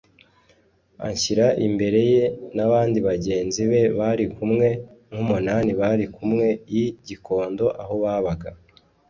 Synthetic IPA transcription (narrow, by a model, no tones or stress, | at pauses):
a̰ɲçiɾaʔimbe̞ɾe̞je̞naβaːndiβaɟe̞ːnziβe̞βaɾikumŋe̞ | ŋhumunaːniβaɾikumŋe̞jiɟiko̞ːndo̞ʔaɦo̞βaːβaɡa